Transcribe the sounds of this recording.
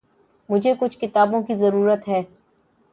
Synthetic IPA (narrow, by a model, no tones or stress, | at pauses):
mʊd͡ʒʱekʊt͡ʃʰkɪt̪aːbõkizɐɾuːɾət̪ɦɛː